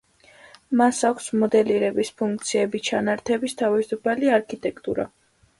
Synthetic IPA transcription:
masakʷʰsmɔd̪ɛliɾɛbispʰuŋk̚t̪sʰiɛbit͡ʃʰanaɾt̪ʰɛbist̪ʰavisupʰaliaɾkʰit̪ʼɛkʰt̪ʼṵɾa̰

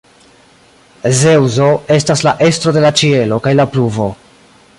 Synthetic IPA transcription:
ze̞wzo̞e̞staslaʔe̞stɾo̞de̞lat͡ʃie̞lo̞kajlapluvo̞

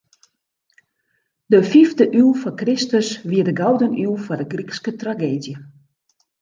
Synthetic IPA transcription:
dəfiftəʔylˠfɔkrɪstəsʋiədəɡawdənylˠfɔdəɡrikskətraɡeːdjə

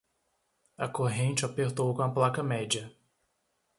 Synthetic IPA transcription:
ɐkoɦẽnt͡ʃɪapeɾt̪owkõɐplakɐmɛd͡ʒɐ

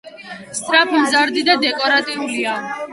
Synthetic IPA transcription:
st̪ʼɾapʰimzaɾd̪id̪ad̪ɛkʼɔɾat̪ʼiulia

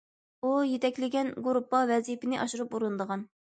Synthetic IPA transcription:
ujet̪ʰɛkʲlɪɡʲɛnɡuɾupːɑvɛzijpɪnɪʔɑʃuɾɨpuɾɨnd̪əʁɑn

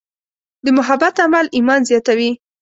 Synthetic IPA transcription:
d̪əmʊɦabat̪amalimɑnzjɑt̪awi

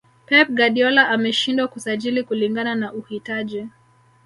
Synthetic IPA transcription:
pɛp̚ɡaɗiɔlaʔamɛʃindwakusaʄilikuliŋɡananaʔuhitaʄi

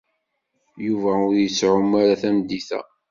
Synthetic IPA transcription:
juvæʊɾjəsʕʊmaɾaθæmd̪iθæ̰

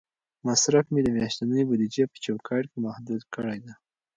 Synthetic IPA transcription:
masɾafmed̪əmjɑʃt̪anəjobud̪id͡ʒepə̥t͡ʃawkʰɑʈkemahd̪ud̪kəɽajd̪a

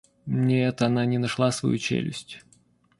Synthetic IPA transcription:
nʲeɛt̪ɐnanʲɪnɐʂlˠasvɐ̰jut͡ɕḛlʲɪ̰sʲtʲ

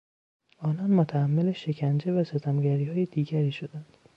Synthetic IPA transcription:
ɒːnɒːnmot̪ʰæːmːeleʃe̞cʰænd͡ʒe̞væset̪ʰæmɟæɾiːhɒːjed̪̥iːɡæɾiːʃod̪ænd̪̥

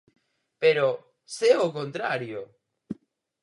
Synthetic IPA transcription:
peɾo | seokõnt̪ɾaɾjo

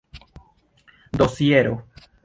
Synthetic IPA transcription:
d̪o̞sieɾo

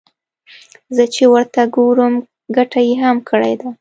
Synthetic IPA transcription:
zət͡ʃewəɾt̪aɡoɾəm | ɡaʈajeɦamkʰəɽa̰jd̪a

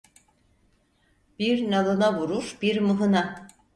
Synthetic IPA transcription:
b̥iɾnalˠɯnavuɾuɾbiɾmɯɦɯna

